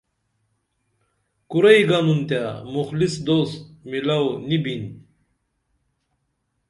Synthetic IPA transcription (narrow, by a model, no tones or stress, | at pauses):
kuɾɐjɡanunt̪jamuxlisd̪ost̪milawnibin